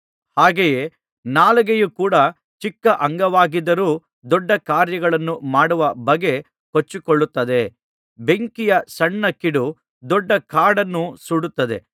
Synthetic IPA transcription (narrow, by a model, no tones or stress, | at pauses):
haːɡejeː | naːlɐɡejukuːɽɐ | t͡ʃikːɐʔɐŋɡɐʋaːɡid̪ːɐɾuː | d̪ɔɖːɐkaːɾjɐɡɐɭɐnːumaːɽuʋɐbɐɡe̞ | kot͡ʃːikoɭːut̪ːɐd̪e̞ | be̞ŋkijɐsɐɳːɐkːiɽu | d̪ɔɖːɐkaːɽɐnːusuɽut̪ːɐd̪e̞̰